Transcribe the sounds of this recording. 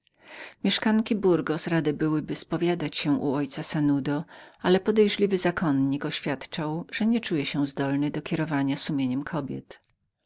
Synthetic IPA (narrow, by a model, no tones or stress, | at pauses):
mʲjɛʂkaŋkʲibuɾɡɔsɾad̪ɘbɘwɘbɘspɔvʲjad̪at͡ɕɕɛʔuɔjt̪sasanud̪ɔalɛpɔd̪ɛjʐlʲivɘzakʰɔnɲikɔɕfʲjat̪t͡ʂawʐ̥ɛɲɛt͡ʂujɛɕɛ̃zd̪ɔlnɛd̪ɔkʲɛɾɔvaɲasumʲjeɲɛmkʰɔbʲjɛ̰t̪